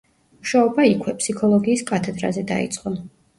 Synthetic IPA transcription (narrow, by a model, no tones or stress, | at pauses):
muʃaɔbaikʰwɛpʰʼsikʰɔlˠɔɡiːskʼat̪ʰɛd̪ɾa̰zɛd̪a̰ḭt̪sʼqʼɔ